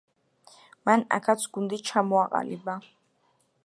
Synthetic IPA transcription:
mana̰kʰat̪sʰɡ̥und̪it͡ʃʰamɔaqʼa̰liba

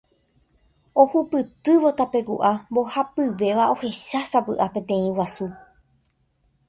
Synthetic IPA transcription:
o̞hupɨt̪ɨʋo̞t̪ape̞kṵʔambo̞hapɨʋe̞ʋao̞he̞ʃasapɨʔapẽ̞t̪ẽ̞ĩwasu

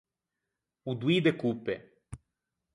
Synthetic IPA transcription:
ud̪wid̪ekupːe

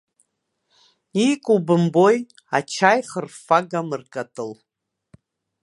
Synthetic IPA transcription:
ikʼubɨmbo̞j | at͡ʃʰajχərfaɡamɨrkʼatʼɨl

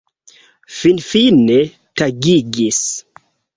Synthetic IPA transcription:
finfine | taɡiɡis

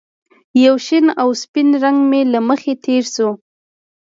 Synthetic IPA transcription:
jawʃinawspɪnɾaŋɡmelaməxet̪ʰeɾsu

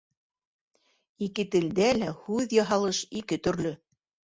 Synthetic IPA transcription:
ikɘt̪ɘ̆ld̪ælæhʉðjɑɦɑlˠɤʃikɘt̪ɵ̆ɾlɵ

